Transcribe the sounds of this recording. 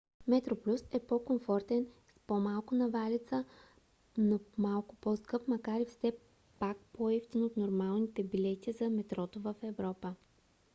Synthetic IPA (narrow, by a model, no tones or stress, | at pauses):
mɛt̪ɾoplʲusɛpɔkomfɔɾt̪ɛnspomalˠkʊnɐvalit̪sə | nomalˠkʊ̥pɔskɤpmɐkaɾifsɛ | pak̚poɛft̪inot̪noɾmalˠnit̪ɛbilɛt̪ʲizɐmɛt̪ɾɔt̪ovəfɛvɾɔpə